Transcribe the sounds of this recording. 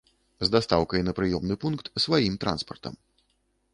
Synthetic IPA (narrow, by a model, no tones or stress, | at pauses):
zd̪ast̪awkɐjɛnɐpɾɨjɔmnɨpunkt̪svajimt̪ɾa̰nspɐrt̪ɐ̰m